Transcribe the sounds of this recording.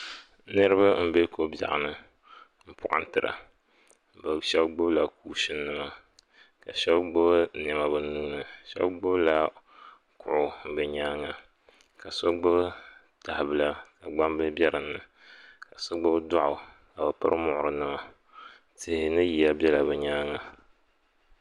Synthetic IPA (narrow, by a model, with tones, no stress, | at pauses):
nɨ˦ɾɨ˦ba˦m̩˦be˦ko˨ba̰˨ʔa̰˨nɨ˦ | m̩˦pʰʊ˦˨ʔa̰˦n˦tɨ˨ɾa̰˨ | ba˨ʃɛ˦bɡ͡bʊ˦bla˨kuː˦ʃɨ˦nːɨ˦ma˦ | ka˨ʃɛ˦bɡ͡bʊ˦bnɛ˨ma˦bɨ˦n˦nu˦ŋ˦nɨ˨ʃɛ̰˦bɡ͡bʊ˦bla˦ | kʊ̰˨ʔʊ˨bɨ˨ɲaː˦ŋa˨ | ka˨so˦ɡ͡bʊ˦b | ta˨hɪ˨bɨ˨la˦ka˨ɡ͡ba˦mbɨ˦bjɛ˦ɾɨ˨nːɨ˨ | ka˨so˦ɡ͡bʊ˦da˦ʔʊ˨ | ka˨ba˨pɨ̰˦ɾɨ˦mʊ˦ʔʊ˨ɾɨ˨nɨ˦ma˦ | tɪ˨hɪ˨nɨ˦ji˨ja˦bʲɛ˦la˨bɨ˨ɲaː˦ŋa˨